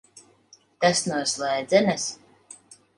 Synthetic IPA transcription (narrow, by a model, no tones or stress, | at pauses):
t̪asnuɔslˠɛjd̪zʲɛnas